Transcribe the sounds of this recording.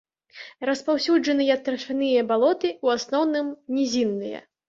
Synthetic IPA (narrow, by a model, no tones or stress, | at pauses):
rɐspawsʲud͡ʐɐnɨjɐt̪ːɾɐʂɨnɨjɐbalˠɔt̪ɨuasnɔwnɨmnʲizʲinːɨjɐ̰